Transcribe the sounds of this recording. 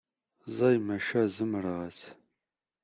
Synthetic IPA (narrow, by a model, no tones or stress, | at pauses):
zɑjmɐʃɐzɨmrəʁɐs